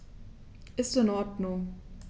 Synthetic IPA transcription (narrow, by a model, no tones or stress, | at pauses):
ʔɪstɪnɔɐdnʊŋ